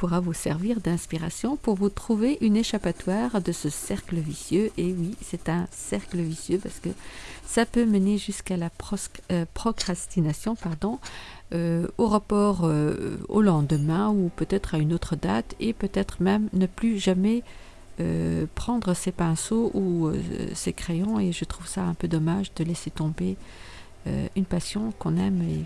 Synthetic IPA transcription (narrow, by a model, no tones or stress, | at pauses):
puʁavusɛʁviʁd̪ɛ̃spiʁa̰sjɔ̃puʁvut̪χuveʔyneʃapat̪waːʁd̪əsəsɛʁkləvisjøʔewisɛt̪ɛ̃sɛʁkləvisjøpaʁsə̥kəsapøməneʒyskalapɔpχɔkχast̪inasjɔ̃paʁd̪ɔ̃øoʁapɔʁø̰o̰lɑ̃d̪əmɛ̃upøt̪ɛt̪χaynot̪χəd̪at̪epøt̪ɛt̪χəmɛmnəplyʒamɛ | ø̰pχɑ̃d̪ʁəsepɛ̃soʔuø̰sekχejɔ̃eʒət̪χuvsaɛ̃pød̪ɔmaʒd̪əlɛset̪ɔ̃be | ø̰ynpasjɔ̃kɔ̃nɛme